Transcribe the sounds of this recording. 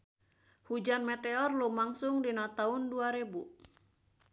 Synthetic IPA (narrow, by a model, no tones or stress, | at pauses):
hud͡ʒanmɛt̪ɛɔrlumaŋsuŋdinat̪aunduaɾebu